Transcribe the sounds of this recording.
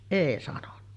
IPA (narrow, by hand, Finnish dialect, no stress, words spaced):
eˑi sɑnonːɑ